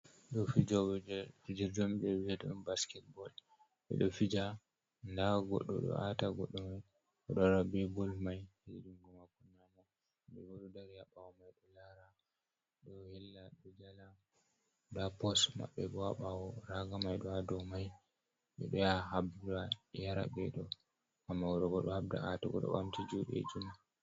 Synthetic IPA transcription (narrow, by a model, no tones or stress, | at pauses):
ɗɔfid͡ʒaɛid͡ʒɛɾd͡ʒɔmid͡ʒɛid͡ʒɛdɔnbaskɛt̚bɔl | ɓɛ̰ɗɔfid͡ʒa | ndaɡɔ̰ɗːɔ̰ɗɔ̰ʔataɡɔ̰ɗːɔmaj | ɔɗɔɾabɛbɔlmajhed͡ʒuŋɡumakunːamɔ | ɓɛbɔɗɔdaɾjaɓawɔmajɗɔlaɾa | ɗɔhɛlːaɗɔd͡ʒala | dapɔsma̰ɓːɛbɔaɓawɔɾaɡamajɗɔadɔmaj | ɓɛɗɔjaɦabdajaɾa̰bɛɗɔ | ʔamːawɔɗɔɡɔɗɔhabda̰ʔataɡɔ̰ɗɔ̰ɓa̰mtid͡ʒuɗɛ̰d͡ʒuma